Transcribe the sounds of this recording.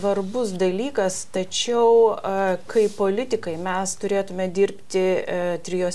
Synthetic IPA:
ʋɐrbʊs̬d̪ɐlʲiːkɐst̪ɐt͡ʃʲɛʊkɐɪpoːlʲɪt̪ʲɪkɐɪmʲɛst̪ʊɾʲeːt̪ʊmʲɛd̪ʲɪɾʲpʲt̪ʲɪt̪ʲɾʲɪjoː

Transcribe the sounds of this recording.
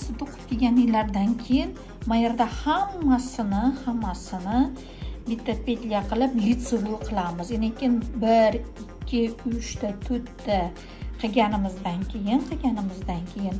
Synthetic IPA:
sɪt̪oqʰɨ̥p̚kʲe̞ɡʲanɪlːaɾd̪ankʲʰe̞jɪn | majeɾd̪ahamːasɪnɪhamːasɪnɪ | bɪt̪ʰːapʲed̪ʲlʲijaqʰɨlˠɪplit̪sevuqʰɨlˠamɪzenekʲɪnbɪɾɪkʲʰːɪʊt͡ʃt̪at̪ʰɵt̪ːa | qʰɨɡʲanɪmɪzd̪ankʲʰe̞jɪnqʰɨɡʲanɪmɪzd̪ankʲʰe̞jɪn

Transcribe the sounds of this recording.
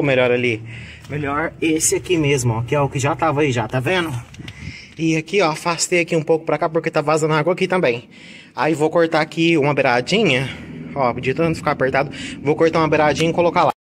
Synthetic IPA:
meʎɔɾɐli | meʎɔɾesɪakimezmʊɔkɪɛʊkɪʒat̪avɐiʒat̪avẽnʊ | ɪakiɔafast̪ejɐkiũpowkʊ̥pɾɐkapoɾket̪avazɐ̃nʊaɡwɐakit̪ɐ̃mbẽj̃ | aivowkoɾt̪akiũmɐbeɾad͡ʒĩɲɐɔpd͡ʒit̪ɐ̃nt̪ʊfi̥kapeɾt̪ad̪ʊvowkoɾt̪aũmɐbeɾad͡ʒĩɲɐkolokala

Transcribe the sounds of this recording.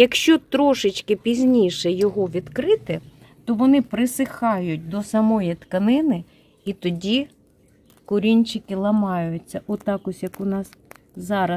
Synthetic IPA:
jɐkʃt͡ʃɔt̪ɾɔʃɪt͡ʃkɪpʲizʲnʲijʃɛjɔɦɔʋʲid̪kɾɪt̪ɪ | t̪ɔʋɔnɪpɾɪsɪxɑjʊt̚ʲd̪ɔsɐmɔjit̪kɐnɪnɪ | it̪ɔdʲi | kʊɾʲinʲt͡ʃɪkɪlˠɐmɑjʊt͡st͡sʲːɐʔʊt̪ɑkʊsʲjɐkʊnɑs | zɑɾɐ

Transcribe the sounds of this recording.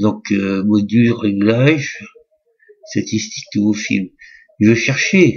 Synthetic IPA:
d̪ɔ̃kømɔd̪yʁeɡlaʒ | st̪at̪ist̪i̥k̚d̪əvofḭlm | ʒvəʃɛʁʃe

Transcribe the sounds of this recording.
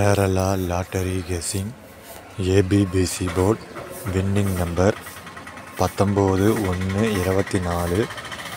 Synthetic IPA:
eːɾɐlaːlaːʈːɐɾiɡeːsɪŋ | eːbiːbiːsiboːɾʈʋɪnːɪŋnɐmbɐɾ | pɐt̪ːɔmboːðɯɔnːɯɪɾɐbɐt̪ːinaːlɯ

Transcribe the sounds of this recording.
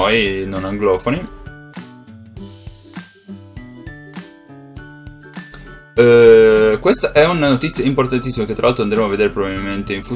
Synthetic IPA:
ojnonaŋɡlɔːfoni | kwest̪aʔɛunanot̪it̪sːjaimport̪ant̪̬isːimaket̪ːɾalalt̪ɾoand̪ɾemoaved̪eːɾepɾobabilment̪eiɱfu

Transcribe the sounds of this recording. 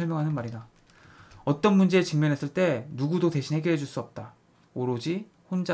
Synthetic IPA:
ʌɭmjʌŋɦanɯnmaɾida | ʌt͈ʌnmund͡ʑe̞ːt͡ɕiŋmjʌnɦe̞s͈ɯɭt͈e̞nuɡudote̞ɕʰinhe̞ɡjiɾɦed͡ʑuɭs͈uʌp̚t͈a | oɾod͡ʑi | hond͡ʑa

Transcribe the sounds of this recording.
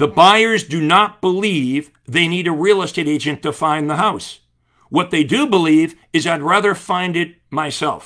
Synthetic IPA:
ðəbaɪə˞zdɨnət̚b̥əliv | ðeɪniɾɨɹiəlˠɪsteɪɾeɪd͡ʒɨ̃ntʰɨfãɪ̃nðəɦaʊs | wʌt̪̚ðeɪdɨbəliv | ɨzaɪd̚ɹæðə˞fãɪ̃ndɨt̚maɪsɛ̰lˠf

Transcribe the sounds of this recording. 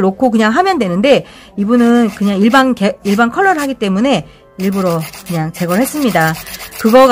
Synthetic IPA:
ɾokʰok̬ɯɲaŋɦamjʌndwe̞nɯnde̞ | ibunɯnkɯɲaŋiɭbankeiɭbankʰʌɭːʌɾɯɭɦaɡit͈e̞mune̞ | iɭbuɾokɯɲaŋt͡ɕe̞ɡʌɭhe̞s͈ɯmɲidakɯɡʌɡ

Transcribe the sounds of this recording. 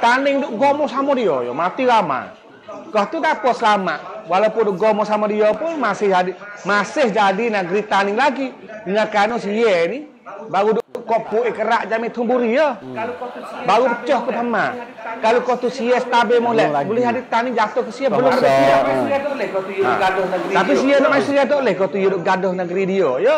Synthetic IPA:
t̪anɪŋdʊʔɡɔmɔsamɔdiɔjɔ̰mat̪iwama̰ | kɔht̪ut̪apɔsəlamaʔwalaupʊndʊʔɡɔmɔsamɔdiɔpʊnmasɪhadimasɪhd͡ʒadinaɡɾit̪anɪŋlaɡi | dəŋakanɔsijɛni | baɣudʊʔdʊʔkɔʔpuʔikəɾaʔd͡ʒamɪt̪ʰumbuɾiə | baɣupət͡ʃɔhkəpəma | kalokot̪usiɛsə̥t̪abɛmɔlɛbulɛhadit̪anid͡ʒat̪ʊhkəsiəbəlʊmbədaat̪lɛhkot̪ujɡadɔnəɡɾt̪apisijənɔʔmaisiiat̪oʔlɛhkot̪ujudʊʔɡadɔhnəɡəɾidiəjə

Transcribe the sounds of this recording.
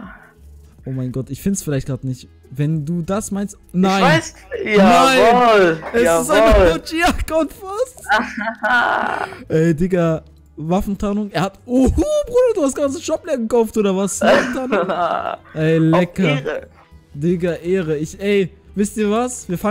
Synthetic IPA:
ʔoːmaɪnɡɔtɪçfɪndsfɪlaɪçtɡ̥ʁaːdnɪçt | vɛnduːdasmaɪnst | naɪnaɪs | janaɪnlɛsɪstʔaɪot͡ʃiakʊntfasta | ʔɛːdɪkɐ | vafn̩tʰanʊŋeːɐhatobʁudɐduːhastɡ̥ant͡səʃɔp̚lɛɐɡəkaʊftʔoːɾɐvaɐssafntʰan | ʔɛɪlɛkɐə | dɪkɐʔeːʁəɪçʔɛɪ | vɪstiːɐvasviːɐfa

